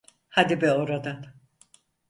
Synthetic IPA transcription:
had̪ibɛoɾad̪an

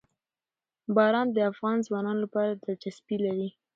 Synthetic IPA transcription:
bɑɾɑnd̪əafɣɑnzwɑnɑnolapɑɾad̪əd͡ʒaspilaɾi

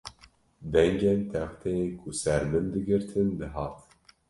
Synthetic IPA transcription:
d̪ɛŋd͡ʒɛnt̪ʰɛxt̪ʰɛekʰusɛɾdɨnd̪ɨɡɨɾt̪ʰɨnd̪ɨɦɑːt̪

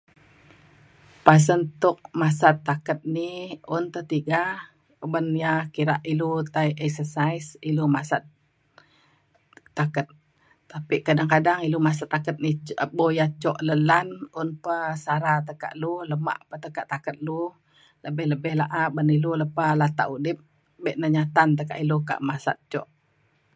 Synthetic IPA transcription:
pas̬ənt̪ʊk̚masat̪ːakət̪̚niʊnt̪ət̪iɡa | bənjakiɾaʔilut̪ajʔɛksəsajsilumasat̪̚ | akət̪̚ː | apiʔkadaŋkadaŋilumas̬at̪ːakət̪̚nibojat͡ʃɔʔləlanʊnpəsaɾat̪əka̰ʔluhləma̰ʔpət̪əkaʔt̪akət̪̚lu | ləbɛhləbɛhlaʔabəniluləpalat̪a̰ʔudɪp̚ | bɛʔnəɲat̪ant̪əka̰ʔiluka̰ʔmasa̰t̪̚t͡ʃɔ̰ʔ

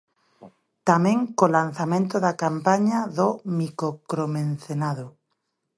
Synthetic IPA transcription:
t̪amẽŋkolan̟θamẽnt̪oðakampaɲaðomikokɾomẽn̟θenaðo

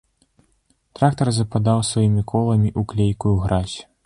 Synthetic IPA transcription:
t̪ɾakt̪ɐrzɐpad̪awsvajimʲikʰɔlˠɐmʲiʔuklʲejkujuɣɾasʲ

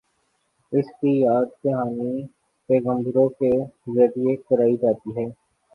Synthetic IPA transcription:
ɪskijaːd̪kɐɦaːni | pɛːɣə̃md̪əɾõkezɐɾiekɐɾaːid͡ʒaːt̪iɦɛː

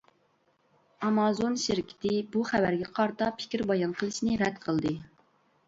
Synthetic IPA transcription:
ɑmɑzonʃiɾkʲʰɪ̥t̪ʰɪbuχævæɾɡʲɛqʰɑɾt̪ɑpʰɪ̥kʲiɾbɑjɑnqʰəlˠɨʃnɨɾɛd̪qʰəlˠd̪ɨ

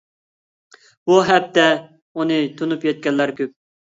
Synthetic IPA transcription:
b̥uɦɛp̚t̪ʰɛ | unɨt̪ʰonupjɛt̪̚kʲɛnlːæɾkʲʰøp̚

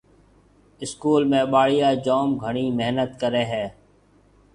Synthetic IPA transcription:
ɪskuːlmẽːɓaːɽijaːd͡ʒoːmɡʱəɳ̃iːmeɦnət̪kəɾeːɦɛː

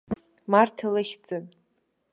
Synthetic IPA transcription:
martʰalɨχʲd͡zʼɨn

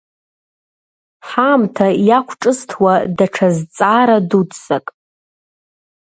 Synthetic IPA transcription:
ħamtʰajakʷʰʈ͡ʂʼɨstʰwadaʈ͡ʂʰazt͡sʼaɾadudsakʼ

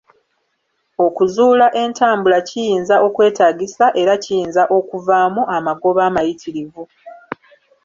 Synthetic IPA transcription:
o̞kuzuːlaʔe̞ntaːmbulacijiːnzaʔo̞kwe̞ːtaːɟisaʔe̞ɾacijiːnzaʔo̞kuvaːmuamaɡo̞βaːmajitʰiɾivu

